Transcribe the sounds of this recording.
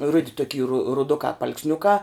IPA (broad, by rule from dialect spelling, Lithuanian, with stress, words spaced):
ˈrʊdʲɪ toːˈkʲiː rʊ rʊˈdʊkɑː pɐɐlˠksʲˈnʲʊkɑː